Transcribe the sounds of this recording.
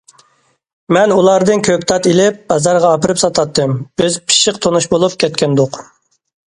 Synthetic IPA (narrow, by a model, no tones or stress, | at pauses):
mɛnulˠɑɾd̪ɨnkʲʰøk̚ʲt̪ʰɑt̪ilɪp̚bɑzɑɾʁɑːpɨɾɨpsɑt̪ʰɑt̪ːɨmb̥ɪzpʰi̥ʃɪqt̪ʰonuʃbolˠup̚kʲʰɛt̪kʲʰɛnd̪ʊq